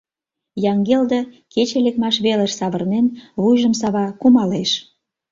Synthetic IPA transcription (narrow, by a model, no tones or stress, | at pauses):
jɑŋɡeld̪ə | ket͡ɕelekmɑʃβeləʃsɑβərnenβujʒəmsɑβɑkumɑleʃ